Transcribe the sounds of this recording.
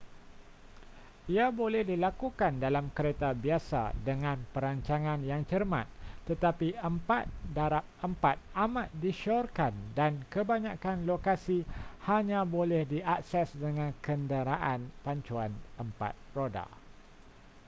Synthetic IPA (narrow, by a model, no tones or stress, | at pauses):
iabolɛhdilakukandalamkəɾet̪abiasa̰dəŋãnpəɾaɲt͡ʃaŋãnjaŋt͡ʃərmã̰t̪t̪ːət̪apiəmpa̰t̪̚daɾap̚əmpat̪̚amãt̪̚diʃɔrkandankəbaɲãkanlokasihaɲãbolɛhdiak̚sɛsdəŋãnkəndəɾaʔanpaɲt͡ʃuanəmpa̰t̪̚roda̰